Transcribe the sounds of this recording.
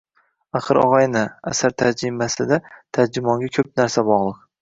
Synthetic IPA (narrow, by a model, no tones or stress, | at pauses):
aχɨɾɒ̰ʁɑjnɪasaɾt̪ʰad͡ʒɾɪmasɪd̪at̪ʰad͡ʒɪmɒŋɡʲakʲʰɵp̚naɾsabɒʁlˠɨq̚